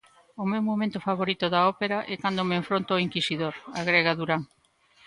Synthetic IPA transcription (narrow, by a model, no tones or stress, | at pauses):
omewmomẽnt̪ʊfaβoɾit̪oðaɔpeɾaʔɛkand̪omeɱfɾont̪oiŋkisiðoɾaɣɾeɣaðuɾaŋ